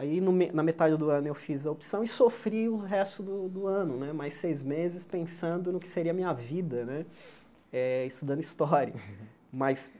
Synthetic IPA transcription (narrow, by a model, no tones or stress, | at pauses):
ainʊmenɐmet̪ad͡ʒɪd̪ʊɐ̃nʊewfizɐopsɐ̃w̃ɪsofɾiʊɦɛst̪ʊd̪ʊd̪ʊɐ̃nʊnɛmajsejzmezɪspẽsɐ̃nd̪ʊnʊkɪ̥seɾiɐmĩɲɐvid̪ɐnɛ | ɛɪst̪ud̪ɐ̃nd̪ʊist̪ɔɾjɐ | mɐs